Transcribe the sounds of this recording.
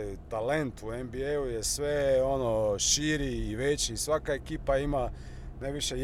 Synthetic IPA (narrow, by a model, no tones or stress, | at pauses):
jt̪ale̞nt̪uembieujesʋeonoʃiɾiːʋet͡ɕiːsʋakaekiːpaima | najʋiʃe